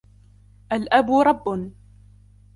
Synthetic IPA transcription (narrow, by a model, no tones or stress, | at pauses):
ʔalʔabɾˤɑbːʊn